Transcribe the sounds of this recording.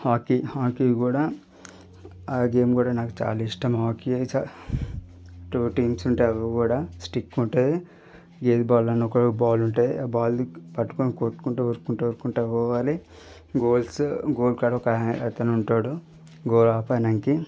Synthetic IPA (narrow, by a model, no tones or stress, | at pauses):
haːkihaːkiːɡuːɽaː | aːɡe̞ːmkuːɽaːnaːku̥t͡ʃa̰ːlaːiʂʈɐmɦaːkiɐt͡ʃa | ʈuʈiːmsuɳʈeɐʋɐkuːɽaːsʈikːuɳʈeː | ɡeːt̪baːlɐnːɔkɐbaːluɳʈeːbaːlpɐʈːu̥koːnikoːʈkuɳʈeoɾkːuɳʈeuɾkːuɳʈeːkɔːʋaːli | ɡoːlsɡoːlkaɽɐɔkɐɐt̪ɐnuɳʈaːɽu | ɡoːlaːpaːnɐŋki